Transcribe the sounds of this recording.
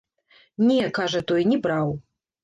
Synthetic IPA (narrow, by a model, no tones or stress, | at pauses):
nʲɛkaʐɐt̪ɔjnʲɛbɾaw